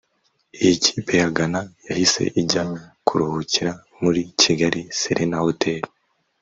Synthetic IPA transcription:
ijicʰi̥ːpe̞jaɡanajahise̞̰ʔiɟakʰuɾuhuciɾa | muɾiciɡaɾisiɾʔenahotʰe̞ːɾo

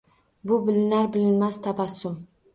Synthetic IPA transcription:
bʊbɪlɪnaɾbɪlɪnmast̪ʰapasʊm

